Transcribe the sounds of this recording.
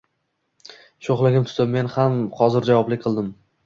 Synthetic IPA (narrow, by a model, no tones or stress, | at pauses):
ʃoχlˠɪɡʲɪmt̪ʰʊ̥d̪ɪmːe̞nhamχɒzɪɾd͡ʒavɒblɪkʲqʰɨlˠd̪ɪm